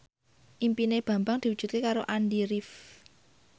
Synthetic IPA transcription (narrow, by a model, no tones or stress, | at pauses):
ʔimpineb̥ä̤mbaŋd̪̥iwud̥ʒ̥ṳt̪̚kekaɾoʔandiɾif